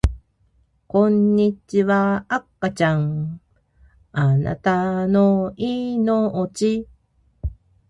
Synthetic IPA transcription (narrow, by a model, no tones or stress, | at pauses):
konːit͡ʃːivaakːat͡ʃaŋ | ana̰t̪anoinoot͡ʃi